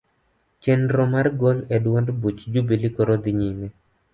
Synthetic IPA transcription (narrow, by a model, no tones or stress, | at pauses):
t͡ʃɛnɾomarɡɔlɛdwɔndbut͡ʃd͡ʒubelikɔɾod̪iɲimɛ